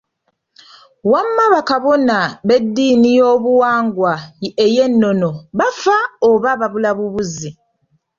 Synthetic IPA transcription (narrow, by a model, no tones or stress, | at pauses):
wamːaβakaβo̞naβe̞dːiːnijo̞ːβuwaːŋɡwaeje̞nːo̞no̞βafaoβaβaβulaβuβuzi